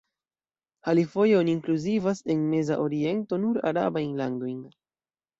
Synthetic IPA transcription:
halifo̞jeoniːŋkluzivase̞nme̞zaʔo̞ɾie̞nto̞nuɾa̰ɾa̰bajnlando̞jn

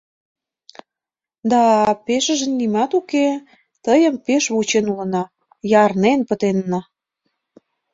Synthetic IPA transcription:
d̪ɑpeʃə̆ʒĕnːimɑt̪uke | t̪əjə̆mpeʃβut͡ɕenulə̆nɑ | jɑrnenpə̆t̪enːɑ

